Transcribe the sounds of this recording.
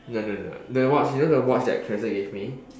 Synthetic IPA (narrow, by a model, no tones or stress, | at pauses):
nonono̰dəwɔt͡ʃjunodəwɔt͡ʃdɛ̰t̚kʰɹɛsəɡevmi